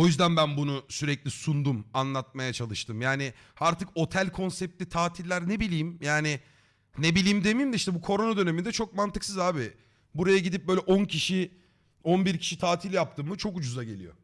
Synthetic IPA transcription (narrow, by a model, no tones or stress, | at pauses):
o̞jyzd̪ænbænbunusyɾɛclʲisund̪umanlˠat̪̚majat͡ʃʰalˠɯʃt̪ʰɯmjaːnɪ | aɾt̪ʰɯko̞t̪ʰælʲkʰo̞nsɛp̚t̪ːʲit̪ʰaːt̪ʰilʲːæɾnebilʲijːmjaːnɪ | nebilʲiːmd̪e̞mijmd̪ɛiʃt̪ɛbukʰo̞ɾo̞nad̪ø̞nemind̪ɛt͡ʃʰo̞k̚mant̪ɯksɯzaːbɪ | buɾajaɟid̪ip̚bøjlʲɛʔoncʰiʃi | onbiɾcʰi̥ʃit̪ʰaːt̪ʰilʲjap̚t̪ʰɯmːɯt͡ʃʰo̞kud͡ʒuzaɟe̞̰lʲḭjo̰